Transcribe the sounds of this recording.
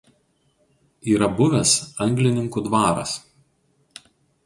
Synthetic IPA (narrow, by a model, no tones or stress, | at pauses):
iːɾɐbʊʋʲɛsɐŋʲɡlʲɪnʲɪŋkud̪ʋɑːɾɐ̰s